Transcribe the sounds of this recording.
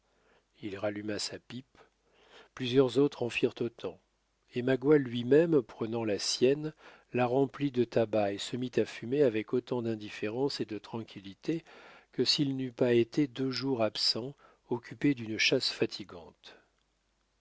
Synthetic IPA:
ilʁalymasapip | plyzjœʁzot̪χɑ̃fiʁt̪ot̪ʰɑ̃ | emaɡwalɥimɛmpχənɑ̃lasjɛn | laʁɑ̃plid̪ət̪abaesəmit̪afymeavɛkot̪ɑ̃d̪ɛ̃d̪ifeʁɑ̃sed̪ət̪χɑ̃kʲilit̪ʰekəsilnypaet̪ʰed̪øʒuʁapsɑ̃ | ɔkʲʰyped̪ynʃasfat̪ʰiɡɑ̃t̪

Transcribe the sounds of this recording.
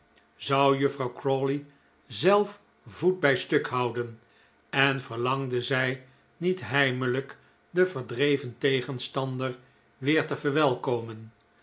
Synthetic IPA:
zʌwjɵfrɑwkroli | zɛlˠf | vud̚bɛjstɵkɦɑwdən | ɛnv̥əɹlɑŋdəzɛj | nitɦɛjmələk | dəvəɹdrejvəntejχənstɑndəɹ | ʋɪːɹtəvəɹʋɛlˠkowmən

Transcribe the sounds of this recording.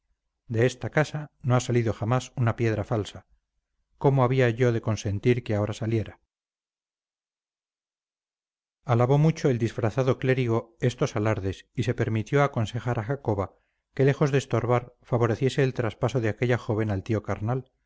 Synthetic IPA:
d̪eest̪akasano̞asaliðo̞xamasunapje̞ð̞ɾafalsa | ko̞moaβ̞iaʝo̞ðe̞ko̞nse̞nt̪iɾkeao̞ɾasalje̞ɾa | alaβo̞mut͡ʃo̞eld̪isfɾaθaðo̞kle̞ɾiɣo̞e̞st̪o̞salaɾðe̞sise̞peɾmit̪jo̞ako̞nse̞xaɾʔaxako̞βa | ke̞le̞xo̞zðeːst̪o̞ɾβaɾfaβ̞o̞ɾeθje̞se̞ːlt̪ɾaspaso̞ðeake̞ʎaxo̞β̞e̞nalt̪io̞kaɾnal

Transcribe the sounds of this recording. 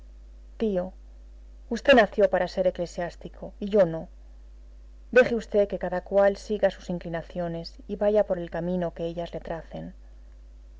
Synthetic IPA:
t̪io̞ | ust̪enaθjo̞paɾase̞ɾe̞kle̞sjast̪iko̞iʝo̞no̞ | d̪e̞xeust̪e̞ke̞kaðakwalsiɣasu̥siŋklinaθjo̞ne̞siβaʝapo̞ɾe̞lkamĩno̞ke̞eʎazle̞t̪ɾaθe̞n

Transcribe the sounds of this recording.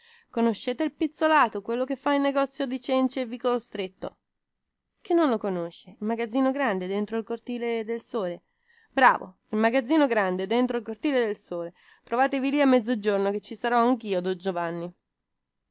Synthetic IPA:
konoʃːeːt̪elpit̪sːolaːt̪okwelːok̟efːailnːeɡɔt̪sːjod̪it͡ʃɛnt͡ʃeɛvːikolost̪ɾet̪ːo̰ | k̟inːonlokonoʃːeilmaɡad̪zːiːnoɡɾand̪ed̪ent̪ɾoilkort̪iːled̪elsoːle | bɾa̰ːvo̰ | ilmaɡad̪zːiːnoɡɾand̪ed̪ent̪ɾoilkort̪iːled̪elsoːle | t̪ɾovaːt̪eviliamːɛd̪zːod͡ʒornoket͡ʃːisaɾɔaŋk̟iːod̪od͡ʒovanːi

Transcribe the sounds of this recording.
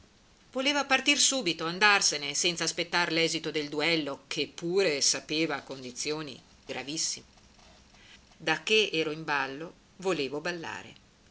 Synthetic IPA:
voleːvapart̪irsuːbit̪oand̪arsenesɛnt̪saːspet̪ːarlɛːzit̪od̪eld̪uɛlːokʰepːuːɾesapeːvakond̪it̪sːjoːnḭ | ɡɾa̰visːime | d̪akːeɛːɾoimbalːo | voleːvobalːa̰ːɾḛ

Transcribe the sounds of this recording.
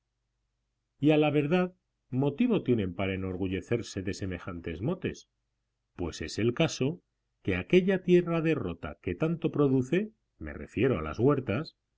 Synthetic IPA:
ialaβ̞e̞ɾðað | mo̞t̪iβo̞t̪je̞nẽ̞mpaɾaeno̞ɾɣ̞uʝe̞θe̞ɾse̞ðe̞se̞me̞xant̪e̞zmo̞t̪e̞̰s | pwe̞se̞se̞lkaso̞ | ke̞ake̞ʎat̪je̞raðe̞ro̞t̪a̰ke̞t̪ant̪o̞pɾo̞ðuθe̞ | me̞̰re̞̰fje̞ɾoa̰la̰zɣwe̞ɾt̪as

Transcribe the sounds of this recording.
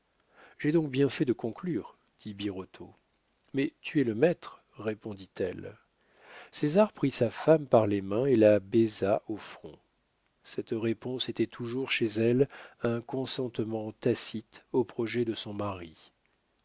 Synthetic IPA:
ʒ̥ɛd̪ɔ̃k̚bjɛ̃fɛd̪əkɔ̃klyʁ | d̪̥ibiʁɔt̪ʰo | mɛt̪yɛləmɛt̪χ | ʁepɔ̃d̪it̪ɛl | sezaʁpχisafampaʁlemɛ̃elabɛzaʔofχɔ̃ | sɛt̪ʁepɔ̃set̪ɛt̪ʰuʒuʁʃezɛlɛ̃kɔ̃sɑ̃t̪mɑ̃t̪asit̪opχɔʒɛd̪əsɔ̃maʁi

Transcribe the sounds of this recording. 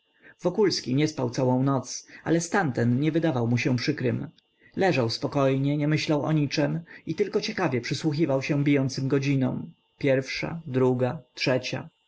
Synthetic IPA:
vɔkulskʲiɲɛspawt̪sawɔ̃w̃nɔt̪sa̰lɛst̪ant̪ɛnɲɛvɘd̪avawmuɕɛpʂɘkɾɘm | lɛʐawspɔkɔjɲɛɲɛmɘɕlawɔ̰ɲit͡ʂɛmit̪ɘlkɔt͡ɕɛkavʲjɛpʂɘswuxʲivawɕɛ̃bʲijɔnt̪sɘmɡɔd͡ʑinɔ̰̃w̃ | pʲjɛɾfʂa̰d̪ɾuɡatʂɛt͡ɕa̰

